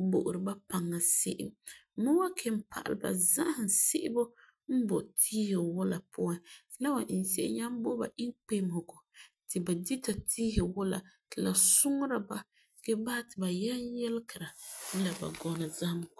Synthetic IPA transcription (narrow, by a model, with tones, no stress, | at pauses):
bo˨ʔʊ˨ɾɨ˨ba˦pa˨ŋːa˨sɪ˦ʔɪ̰˨mmʊ˦wa˦kʰɛ˨m̩˦pʰa̰˨ʔa̰˨lba̰˨za̰˦hɪ˨nsɪ˦ʔɪ˦bo˦ | m̩˦bɔ˨tʰiː˦he˨wʊ˦la˨pʊ˦a˨˦la˦wa˨ʔɪ˨n˨se˦˨ɪ̰˦ɲa˦m˦bo˦ba̰˨ʔɪ˦ŋk͡pe˦mho˨ɡo˨ | tɪ˨ba˨di˦ta˨tʰiː˦hɛ˨wʊ˦la̰˨tɪ˨la˨sʊ˦ŋ˦ɾa˨ba˨ | ɡ̥ɛ˦baː˦tɪ˨ba˨jɛ˦a˦jɛ˦lkɪ˨ɾa˨n̩˦la˨ba̰˨ɡɔ˨na˨za˦hm˨